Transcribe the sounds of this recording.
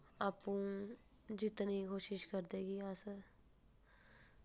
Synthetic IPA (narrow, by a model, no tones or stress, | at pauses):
aːpũ | d͡ʒɪt̪nikoːʃɪʃkəɾd̪eːɡiaːsə